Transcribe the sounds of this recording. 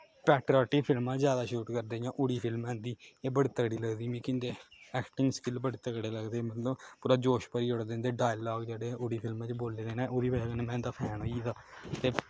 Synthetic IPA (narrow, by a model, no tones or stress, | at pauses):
pɛːʈɾɔːʈiːpʰɪlmãzjaːd̪aːʃuːʈkəɾd̪eːjãːʔʊɽiːpʰɪlmɦɛ̃ːnd̪iːeːbəɽeːt̪əkɽiːləɡd̪iːmĩːkɪ̃nd̪eːɛːkʈɪŋɡskɪlbəɽeːt̪əkɽeːləɡd̪eːmət̪ləbpuːɾaːd͡ʒoːʃpəɾiːʊɽd̪ẽnd̪eːɖaːjlɔːɡd͡ʒeːɽeːʔʊɽiːpʰɪlmẽt͡ʃboːleːd̪eːnẽːʔoːd̪iːbəaːkənẽːmɛ̃ːnd̪aːpʰɛ̃ːnɦoːiːd̪aːt̪eː